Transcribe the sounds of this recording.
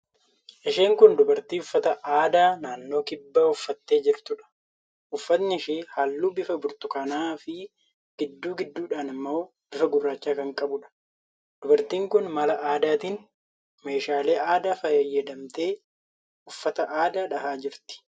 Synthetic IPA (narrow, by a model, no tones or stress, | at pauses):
ʔɛʃeːŋkʊnd̪ʊbɐɾt̪iːʊfːɐt̪ɐʔaːd̪aːnaːnːo̞ːkɪbːaːʊfːɐt̪ːe̞ːd͡ʒɪɾt̪ʊᶑɐ̥ | ʔʊfːɐt̪nɪɪʃeːhaːlːuːbɪfɐbʊɾt̪ʊkɐnaːfɪ | ɡ̥ɪd̪ːuːɡɪd̪ːuːᶑaːnɐmːo̞ː | b̥ɪfɐɡʊrːaːt͡ʃːaːkɐŋkʼɐbʊᶑɐ̥ | d̪̥ʊbɐɾt̪iːŋkʊnmɐlɐʔaːd̪aːt̪iːn | me̞ːʃaːle̞ːʔaːd̪aːfɐjɐjːɐd̪ɐmt̪e̞ː | ʊfːɐt̪ɐʔaːd̪aːᶑɐɦaːd͡ʒɪɾt̪ɪ̥